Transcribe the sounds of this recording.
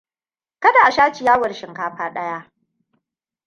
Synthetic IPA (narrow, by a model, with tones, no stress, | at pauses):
kɐ˦da˨ʔa˨ʃaː˦t͡ʃi˨jaː˦wɐ˨ɽʃɪ˨ŋkaː˦ɸaː˦ɗɐ˦ja˦ʔ